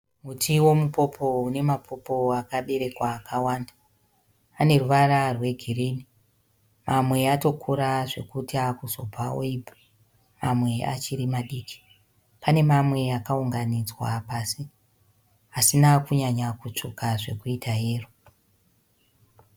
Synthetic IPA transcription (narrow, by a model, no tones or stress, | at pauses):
mutʰiwo̞mupo̞pʰo̞une̞mapʰo̞po̞akaɓe̞ɾe̞kwaːkawaːndaː | ne̞ruʋararwe̞ɡʱiriːni | mamwe̞ato̞kʰuɾaʐe̞kutiakuzo̞paoibʱa | mamwe̞a̰t͡ʃiɾimaɗiːki̥ | pane̞mamwe̞akauŋɡanid͡zwapasi | asinakuɲaɲakut͡ʂukaʐe̞̰kuitaɦeːru